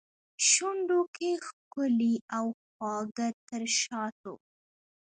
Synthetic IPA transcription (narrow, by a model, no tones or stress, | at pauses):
ʃuɳɖokʰexkʊliawxwɑɡat̪əɾʃɑt̪o̰